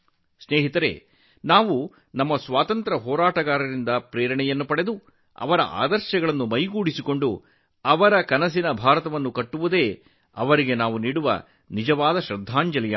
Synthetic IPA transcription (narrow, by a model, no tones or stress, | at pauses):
sneːɦit̪ɐɾe̞̰ː | naːʋu | nɐmːɐsʋaːt̪ɐnt̪ɾɐɦɔːɾaːʈɐɡaːɾɐɾind̪ɐpɾɛːɾɐɳɛjɐnːupɐɽe̞d̪u | ɐ̰ʋɐɾɐ̰ʔa̰ːd̪ɐɾʃjɐɡɐɭɐnːumɐjɡuːɽisiko̞ɳɖu | ɐʋɐɾɐkɐnɐs̬inɐbʱaːɾɐt̪ɐʋɐnːukɐʈːuʋud̪e̞ː | ɐʋɐɾiɡe̞naːʋuniːɽuʋɐ̰ | nid͡ʒɐʋaːd̪ɐʃɾɐd̪ʱːaːɲd͡ʒɐlɐjɐ̰